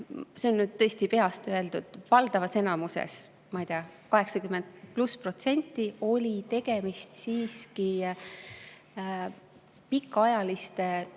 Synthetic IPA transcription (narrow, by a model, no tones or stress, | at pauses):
se̞o̞nːnyːd̪̥̚t̪ɤ̞ːst̪ipe̞ɑst̪øe̞ld̪̥ud̪̥vɑld̪̥ɑvɑse̞nɑmusḛs | mɑijt̪eɑkɑɦe̞ksɑkyme̞nd̪̚pluspro̞t̪se̞nʲt̪ˑːio̞lʲit̪e̞ɡ̥e̞mist̪siːski | pikːˑɑjɑlist̪e̞